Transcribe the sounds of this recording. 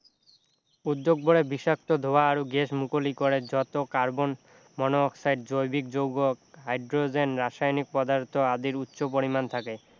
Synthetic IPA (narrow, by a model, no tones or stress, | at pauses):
ud̪ːoɡ̚boɽebiʃak̚t̪od̪ʱoaaɾuɡeʃmukolikoɾed͡ʑɔt̪okaɾbon | mɔnoːksajɖ̚d͡ʑojbikd͡ʑowɡokɦajɖɾod͡ʑenɾaʃajnik̚pɔd̪aɾt̪ʰoad̪iɾutːɕopoɾimant̪ʰake